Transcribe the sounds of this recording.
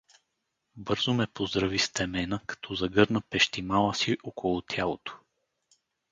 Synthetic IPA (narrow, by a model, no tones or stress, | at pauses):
bɤɾzʊmɛpozd̪ɾɐvist̪ɛmɛnəkɐ̥t̪ʰɔzɐɡɤɾnəpɛʃt̪imalˠəsiʔokolˠʊt̪ʰjalˠot̪o̥